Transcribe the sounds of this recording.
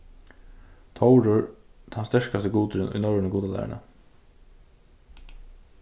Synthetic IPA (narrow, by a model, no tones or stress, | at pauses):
t̪ʰɔwɾʊɹt̪ʰanst̪ɛʂkast̪ɪɡuːt̪ɾɪnʔʊ̰jnɔɹɪnəɡuːt̪ala̰ːɾə̰ɳa̰